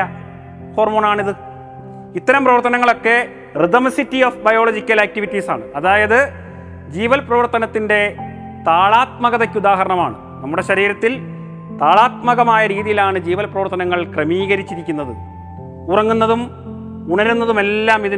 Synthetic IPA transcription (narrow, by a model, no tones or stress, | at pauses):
ɐ | ho̞ːrmoːnaːɳiðɨ | it̪ːɐɾɐmprɐʋɐrt̪ːɐnɐŋːɐɭo̞kːe̞ | riðɐmsitːiofbɐjo̞ːɭod͡ʑikʲːɐlaːk̚tiʋitːisa̰ːɳɨɐðaːjɐðɨ | d͡ʑiːʋɐlprɐʋɐrt̪ɐnɐt̪ːinde̞ | t̪aːɭaːt̪̚mɐɣɐðekʲːud̪aːɦɐɾɐɳɐma̰ːɳɨ | nɐmːuɽe̞ɕɐɾiːɾɐt̪ːil | t̪aːɭaːt̪̚mɐɣɐmaːjɐɾiːðijilaːɳɨd͡ʑiːʋɐlprɐʋɐrt̪ːɐnɐŋːɐɭkrɐmiːɣɐɾit͡ɕːiɾikʲːunːɐðɨ̰ | urɐŋːunːɐðum | uɳɐɾunːɐðume̞lːaːmiði